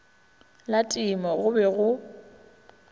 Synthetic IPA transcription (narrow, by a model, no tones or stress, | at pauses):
latʼɪmɔɣʊbɛɣʊ